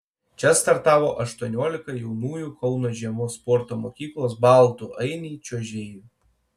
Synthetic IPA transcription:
t͡ʃʲɛst̪ɐɾt̪ɑːʋoːʔɐʃt̪uɔnʲuɔlʲɪkɐjɛʊnuːjukɒʊnoːʒʲiɛmʊspɔɾt̪oːmoːkʲiːklˠoːsbɑˑlˠt̪uʔɐɪnʲiːt͡ʃʲuɔʒʲɛ

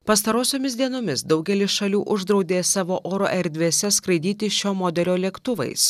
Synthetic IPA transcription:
pɐs̬t̪ɐɾoːsʲoːmʲɪsd̪ʲiɛnoːmʲɪsd̪ɒʊɡʲɛlʲɪsʃɐlʲuːʔʊʒd̪ɾɒʊd̪ʲeːsɑːʋoːʔoːɾo̰ʔɛɾʲd̪ʲʋʲeːsʲɛskɾɐɪd̪ʲiːt̪ʲɪʃʲoːmod̪ʲɛlʲoːlʲɛkt̪ʊʋɐ̰ɪs

